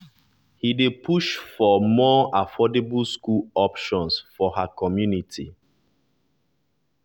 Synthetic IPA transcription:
hidepʰuʃfɔmɔafɔdebulskulɔpʃɔ̃nsfɔhakʰɔmjunitʰi

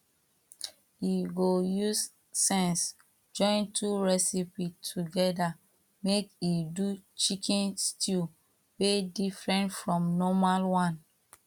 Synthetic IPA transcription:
iɡojus | sɛ̃ns | d͡ʒɔ̃ɪ̃ntʰuɹɛsipitʰuɡɛda | mekidut͡ʃikʰɛ̃nstʰil | wedifɹɛ̃ntfɹɔ̃mnɔmalwãn

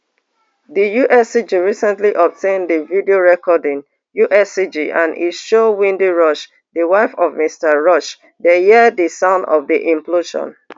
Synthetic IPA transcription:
dijuʔɛsid͡ʒiɹisɛ̃ntliʔɔp̚tʰẽndəvidioɹɛkɔdĩŋ | juʔɛsid͡ʒiʔã̰nḭʃowĩndiɹɔʃ | dəwaɪfɔvmistəɹɔʃ | dehidəsãʊ̃ndɔ̰vdiʔĩmploʃɔ̰̃n

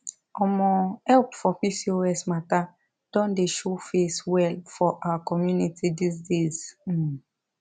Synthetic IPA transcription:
ɔmɔ̃ɛlpfɔpisioɛsmata | d̥ɔ̃ndeʃofeswɛlfɔʔawakɔmjunitidisdez̩

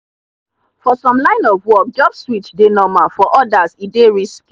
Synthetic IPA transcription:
fɔsɔ̃mlãɪ̃nɔvwɔk̚d͡ʒɔbsɹitdenɔmafɔʔɔdazideɹisk

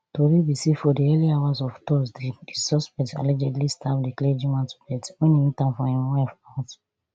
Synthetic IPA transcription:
toɾibisifɔdiɛliawazɔftɔsdiisɔspɛkta̰lɛd͡ʒɛdlistʰapdikled͡ʒĩmãntu̥pɛtwẽnĩmĩtãmfɔ̃hĩmwɛfat

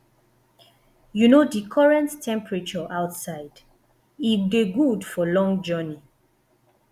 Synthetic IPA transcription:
junodikʰɔɹɛ̃ntːʰɛ̃mpɹət͡ʃɔʔaʊtsaɪd | iɡeɡudfɔlɔ̃ŋd͡ʒɜni

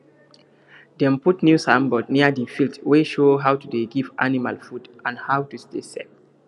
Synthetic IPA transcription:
dɛ̃mputnjusãmbɔdniədifiltweʃoːɦawtudeɡivʔanimalfudʔãnhawtustesek̚

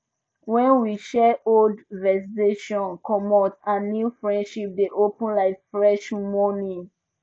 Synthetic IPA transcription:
wɛ̃nwiʃɛoldvɛsiteʃɔ̃nkʰɔmɔtãnːufɹɛ̃ndʃip̚deʔopə̃nlaɪffɹɛʃmɔnĩ

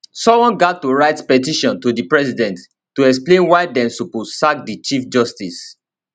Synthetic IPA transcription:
sɔ̃wɔ̃nɡatːuɹaɪtpɛtiʃɔ̃ntudipɹɛsidɛ̃ntː | uɛksplẽnwaɪdɛ̃msuposak̚dit͡ʃifd͡ʒɔstis

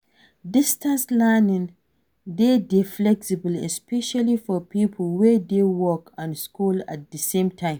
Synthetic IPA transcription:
dɪstãnslɛnɪ̃n | dedeflɛksibəlɛ̰spɛʃalifɔpipʰlwɛdewɔkãnskula̰t̚dəsẽmtʰãɪ̃m

